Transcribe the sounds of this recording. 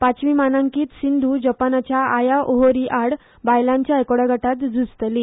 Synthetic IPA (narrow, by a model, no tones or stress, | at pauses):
pat͡sʋimanãŋkiːt̪sind̪ʱud͡ʑəpanat͡ɕjaajaʔoɦoɾiʔaɽ | bajlãɲt͡ɕjaekoɽaɡʱaʈat̪d͡zʱust̪li